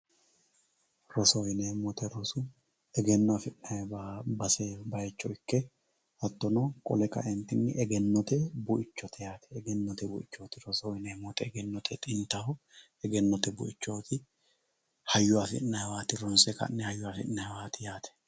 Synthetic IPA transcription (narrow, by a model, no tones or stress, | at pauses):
ɾɔsɔɔjɪneːmɔt̪ɛɾɔsʊ | ɛɡɛnːɔafɪʔnɐjbbɐsebɐjɛt͡ʃːɔɪkːɛ | hɐt̪ːɔnokʼɔ̰lɛkɐ̰ʔɛnt̪ɪnːɪʔɛɡɛnːɔt̪ɛbʊʔɪt͡ʃːɔt̪ʰɛjaːt̪ɛ̥ːɡɛnːɔt̪ɛbʊ̰ʔɪt͡ʃːoːt̪ɪɾɔsɔjɪneːmɔt̪ɛɛɡɛnːɔt̪ʰɛt̪ʼɪnt̪ɐhɔ | ɛɡɛnːɔt̪ɛbʊ̰ʔɪt͡ʃːoːt̪ɪ | hɐjːʊafɪ̰ʔnɐjwaːt̪ɪɾɔnsɛkɐ̰nːɛhɐjːʊafɪ̰ʔnːɐjwaːt̪ɪjaːt̪ʰɛ̥